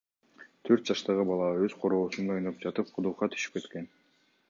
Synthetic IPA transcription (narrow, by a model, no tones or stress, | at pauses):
t̪ʰøɾt̪̚d͡ʒɑʃt̪ɑʁɯbɑlˠɑøzqʰo̞ɾo̞ːsuno̞jnop̚d͡ʒɑt̪ɯp̚qʰud̪uqɑt̪ʰy̥ʃi̥p̚ke̞t̪ke̞n